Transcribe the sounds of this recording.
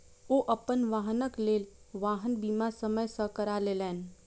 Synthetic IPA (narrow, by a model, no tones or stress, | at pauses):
oːʔəpənʋaːɦənəkleːlʋaːɦənbiːmasəməjsəkəɾaleːlɛːn